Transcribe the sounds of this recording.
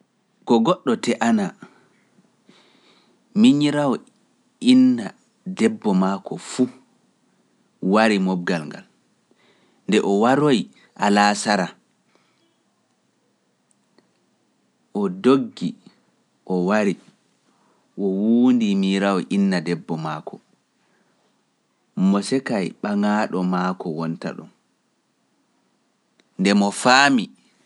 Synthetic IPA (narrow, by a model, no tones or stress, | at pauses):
kɔɡɔɗːɔtɛʔana | miɲiɾawɔ | inːa | dɛbːɔmaːkɔfu | waɾimɔbɡalŋɡa̰l | ndɛʔɔwaɾoj | ʔalasaɾa | ʔɔdoɡːi | ʔɔwaɾi | ʔɔwuːndimiɾawɔʔinːadɛbːɔmakʰɔ | mɔsɛkajɓaŋaɗɔmakɔwɔnta̰ɗṵm | ndɛmɔfaːmi